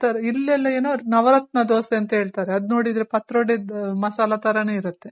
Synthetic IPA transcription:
t̪ɐɾilːɛlːɐeːnoɾnɐʋɐɾɐt̪̚nɐd̪oːseɐnt̪ɐɦeːɭt̪aːɾeɐd̪no̞ːɽid̪ɾepɐt̪ɾoːɽed̪mɐsaːlɐt̪ɐɾɐneːiɾut̪ːe

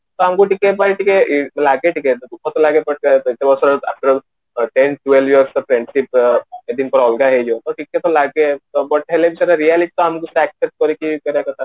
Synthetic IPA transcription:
t̪ɔamkuʈikːepajʈikelaɡeʈiked̪ukɔt̪ɔlaɡebɔʈ̚t̪ewɔsɔɾa̰fʈəɾ | ʈenʈuelʋiəɾsɔpɾeɳɖʃiped̪inpɔɾɔlɡaɦed͡ʒot̪ɔʈikːet̪ɔlaɡebɔʈ̚ɦelebʱisɔɾaɾialiʈi̥t̪ɔamkuseɛksep̚ʈ̚kɔɾekikɔɾakɔt̪ʰa

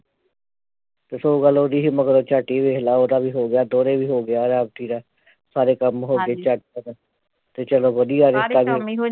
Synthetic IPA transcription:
t̪eːsoːɡaloːd̪iːɦiməɡəɾoːt͡ʃaːʈiːʋeːɦlaːoːd̪aːbiːɦoːɡɪjaːd̪oːɾeːbiːɦoːɡɪjaːɾaːbt̪iːɾaː | saːɾeːkəmɦoːɡeːt͡ʃaʈ̚kəɾ | t̪eːt͡ʃəloːʋəd̪ijaːɾɪst̪aːbiː

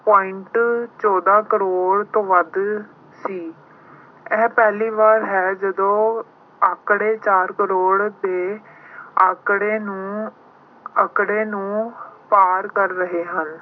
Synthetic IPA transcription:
pɔːɪɳʈt͡ʃɔːd̪aːkəɾoːɽt̪õːʋəd̪ | siː | ɛːpɛːliːʋaːɾɦɛːd͡ʒəd̪õː | əkɽeːt͡ʃaːɾkəɾoːɽd̪eː | əkɽeːnũː | əkɽeːnũːpaːɾkəɾːəɦeːɦən

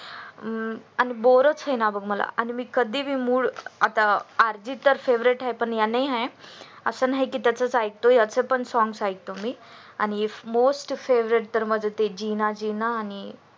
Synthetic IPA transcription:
aniboɾət͡sɦenabʱəɡməla̰ʔanimiːkəd̪ʱibʱiːmuːɽa̰t̪aaɾd͡ʑit̪ːəɾfeʋɾeʈɦaepəɳjanaiɦaj | ə̰sənaɦekiːt̪jat͡sət͡saik̚t̪ojat͡səpəɳsɔŋɡsait̪omiː | a̰ñimosʈfeʋɾeʈ̚t̪əɾməd͡zʱət̪ed͡ʑinad͡ʑinaːni

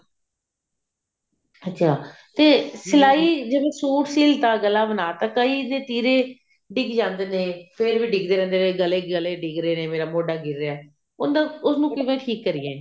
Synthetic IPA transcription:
ətːʃʰaː | t̪eːsəlaːiːd͡ʒebẽːsuːʈsiːlt̪aːɡəlːaːbənaːt̪ãːkəiːnẽːt̪iːɾeː | ɖɪɡd͡ʒãːnd̪eːnẽːpʰɪɾbiːɖɪɡd̪eːɾɛ̃ːnd̪eːneːɡəleːɡəleːɖɪɡɾeːneːmeːɾaːmoːɖaːɡɪɾːeɛː | ʊnd̪ãːʊsnũːkɪʋẽːʈʰiːkːəɾɪːẽː

